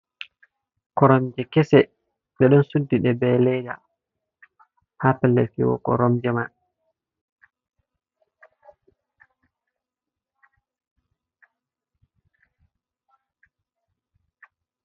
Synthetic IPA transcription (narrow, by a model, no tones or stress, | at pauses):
kɔɾɔmd͡ʒɛkɛsɛ | ɓɛɗɔnsudːiɗɛbɛlɛd͡ʒa̰ | hapɛlːɛ̰fḭwɔ̰kɔ̰ɾɔmd͡ʒɛman